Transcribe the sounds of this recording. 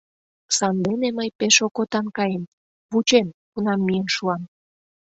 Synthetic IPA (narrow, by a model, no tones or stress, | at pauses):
sɑnd̪eneməjpeʃokot̪ɑnkɑjem | βut͡ɕemkunɑmːijənʃuɑm